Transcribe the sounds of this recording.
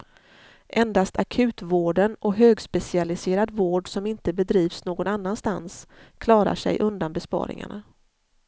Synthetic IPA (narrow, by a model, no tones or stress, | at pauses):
ʔɛnd̪ast̪akʰʉ̟ːt̪voːɖənɔɦøːɡspɛsɪalɪseːɾad̪voːɖsɔmɪnt̪əbɛd̪ɾiːvsnoːɡɔnanːanst̪anskʰlɑːɾa̰ʂɛ̰jʔɵnd̪anbɛspɑ̰ːɾɪ̰ŋa̰ɳa̰